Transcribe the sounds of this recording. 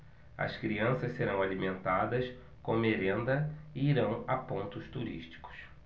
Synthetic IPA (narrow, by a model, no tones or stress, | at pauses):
ɐ̰skɾiɐ̃sɐsseɾɐ̃w̃alimẽnt̪ad̪ɐs | kõmeɾẽnd̪ɐɪiɾɐ̃w̃apõnt̪ʊst̪uɾḭʃt͡ʃi̥kʊ̥s